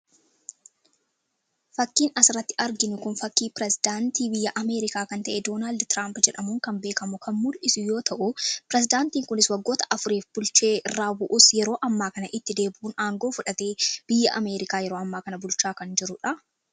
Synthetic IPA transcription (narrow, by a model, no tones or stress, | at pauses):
fɐkːiːnɐsɪɾɐt̪ːɪ̥ɐɾɡɪnʊkʊnfɐkːiːpɪɾɛzɪd̪aːnt̪iːbɪjːɐʔɐme̞ːɾɪkaːkɐnt̪ɐʔɛd̪o̞ːnaːld̪t̪ɪɾaːmpd͡ʒɛᶑɐmʊŋkɐmbe̞ːkɐmʊkʰɐnmʊlʔɪsʊjo̞ːt̪ɐʔʊpɾɛzɪd̪aːnt̪iːŋkʊnɪswɐɡːo̞ːt̪ɐ̥ʔɐfʊɾiːfbʊlt͡ʃeːʔɪrːaːbʊʔusjɛɾo̞ːʔɐmːaːkɐnɐʔɪt̪ːɪd̪e̞ːbʔuːnaːŋɡo̞ːfʊᶑɐt̪eːb̥ɪjːɐʔɐ̰me̞ːɾɪkaːjɛɾo̞ːɐmːaːkɐnɐbʊlt͡ʃaːkɐnd͡ʒɪɾʊᶑɐ